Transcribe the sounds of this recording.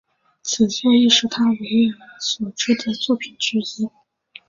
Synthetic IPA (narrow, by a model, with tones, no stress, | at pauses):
t͡sʰɹ̩˨˩ɕɛ˥˧ni˥˩ʂɻ̩˧˥˩t̪ʰa˥we˧˥ɪɛ˧˥nswɔ˨˩ʈ͡ʂʰɤ˥d̪ə˨t͡swɔ˥˩pʰi˨˩nʈ͡ʂɻ̩˧˥i˥